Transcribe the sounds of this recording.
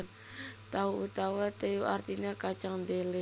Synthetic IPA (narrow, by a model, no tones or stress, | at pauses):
n | t̪auut̪awat̪ejuʔart̪inakat͡ʃaŋd̪ele